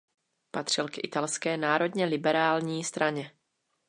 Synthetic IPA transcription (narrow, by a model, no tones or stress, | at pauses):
pat̪r̝̥ɪlkʔɪ̰t̪alskɛːnaːɾo̞dɲɛlɪbɛɾaːlɲiːst̪ɾʔaɲɛ